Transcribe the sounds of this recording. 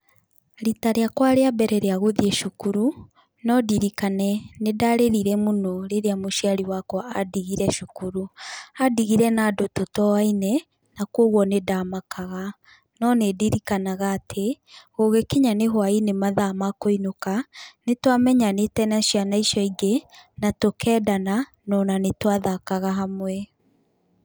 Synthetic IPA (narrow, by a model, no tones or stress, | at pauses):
ɾitaɾeakwaɾeabɛɾɛɾeaɣoðieʃokuɾu | nɔdiɾikanɛnedaɾeɾiɾɛmonɔɾeɾeamoʃiaɾiwakwɔa̰diɣiɾɛʃukuɾuadiɣiɾɛnaːdototɔainɛ | nakwoɣwɔnedamakʰaɣa | nɔnediɾikanaɣaːtʰe | ɣoɣekiɲaneɦwainemaðamakoinokanetwamɛɲanetɛnaʃianaiʃɔiɡenatokʰɛːdana | nɔnanetwaðakaɣaɦamwɛ